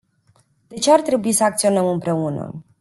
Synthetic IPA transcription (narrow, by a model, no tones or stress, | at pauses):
d̪̥e̞t͡ʃeart̪ɾe̞buisəak̚t̪sio̞nəmɨmpɾe̞unə̰